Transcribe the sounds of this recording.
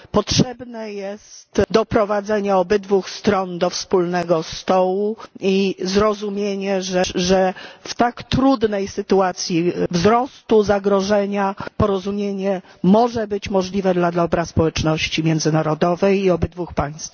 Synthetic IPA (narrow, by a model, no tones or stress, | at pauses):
pɔtʂɛbnɛjɛst̪d̪ɔpɾɔvad̪zɛɲɛɔbɘd̪vuxst̪ɾɔnd̪ɔfspulnɛɡɔst̪ɔwuizɾɔzumʲjeɲɛʐɛʐɛft̪akt̪ɾud̪nɛjsɘt̪uat̪sʲjivzɾɔst̪uzaɡɾɔʐɛɲapɔɾɔzumʲjeɲɛ | mɔʐɛbɘt͡ɕmɔʐlʲivɛd̪lad̪lɔbɾaspɔwɛt͡ʂnɔɕt͡ɕimʲjɛnd̪zɘnaɾɔd̪ɔvɛjiɔbɘd̪vuxpaj̃st̪f